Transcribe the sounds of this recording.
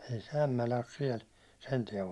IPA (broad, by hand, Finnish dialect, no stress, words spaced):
ei se æmːælæ os siɛl sen tiɛʋ